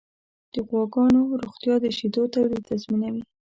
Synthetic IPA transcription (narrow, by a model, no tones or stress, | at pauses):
d̪̥əɣwɑɡɑnoɾoɣt̪jɑd̪əʃid̪ot̪awɾit̪azminawi